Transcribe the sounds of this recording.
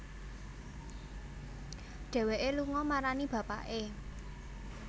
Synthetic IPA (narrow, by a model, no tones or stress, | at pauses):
ɖ̥ɛ̤weʔeluŋɔmaɾanib̥ä̤pa̰ʔe